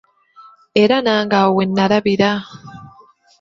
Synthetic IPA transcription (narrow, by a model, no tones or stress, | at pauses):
e̞ɾanaːŋɡawenːaɾaβiɾa